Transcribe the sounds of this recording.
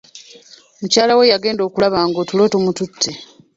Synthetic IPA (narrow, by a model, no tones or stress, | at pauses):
mucaːlawe̞jaɡe̞ːndo̞ːkulaβaːŋɡotulo̞ːtomututʰːe